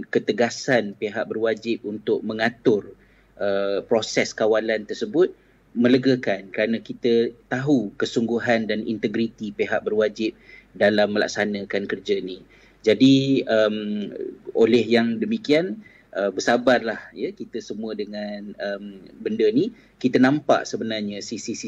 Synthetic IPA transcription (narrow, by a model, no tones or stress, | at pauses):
kət̪əɡasanpeɦaʔ̚bərwad͡ʒɪp̚unt̪ʊʔ̚mə̃ŋat̪ʊr | ʔəpɾosɛskawalant̪ərsəbʊt̪̚ | mə̃ləɡəkankəɾanãkit̪ət̪aɦukəsuŋɡuɦandanḭnt̪əɡɾit̪ipeɦaʔ̚bərwad͡ʒɪp̚dalamːəla̰k̚sanə̃kankərd͡ʒani | d͡ʒadiəm | ʔolɛhjaŋdəmikian | ʔəbərsabarlahjəkit̪əsəmũədəŋanəmbəndəni | kit̪ənãmpa̰ʔsəbənarɲasisisi